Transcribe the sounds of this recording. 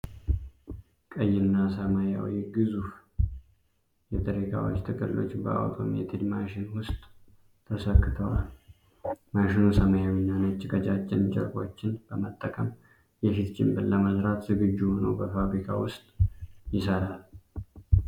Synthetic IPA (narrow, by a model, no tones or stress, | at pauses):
kʼəjːɪnːasəmaja̰wiɡɨzuf | jɛt̪ʰʼəɾikʰa̰wo̰t͡ʃːt̪ʰɨkʼɨlːo̞̰t͡ʃːbə̰ʔa̰wt̪ʰʼo̞̰mjɛ̰t̪ʰed̪maʃɪnwʊst̪ʼʰː | əsəkːɨt̪ʰəwal | maʃɪnusəmajawinːanət͡ʃːɪɡəd͡ʒat͡ʃʼːɪnd͡ʒʼə̰ɾkʼo̰t͡ʃːɪnb̥əmət̪ʼːəkʼəm | jɛfit̪d͡ʒɪmbɨɾləməzɾat̪zɨɡɨd͡ʒːuhonə̰wbəfaβɾikʰa̰wʊst̪ʼjɪsəɾal